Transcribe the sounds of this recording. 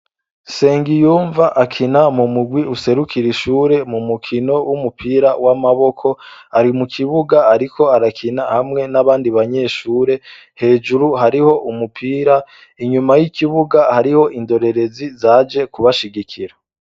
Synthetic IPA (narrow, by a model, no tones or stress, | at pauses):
se̞ːŋɡijuːɱvaʔakʰinamumuɡwiuse̞ɾukʰiɾiʃuːɾe̞mumukʰino̞wʔumupʰiːɾawamaβo̞kʰo̞aɾimukʰiβuɡaːɾikʰo̞aɾakʰinahamŋe̞naβaːndiβaɲe̞ːʃuːɾe̞ | he̞ːd͡ʒuɾuhaɾiho̞ʔumupʰiːɾa | iɲumajikʰiβuɡahaɾiho̞ʔindo̞ɾe̞ɾe̞zizaːd͡ʒe̞kuβaʃiɡikʰiɾa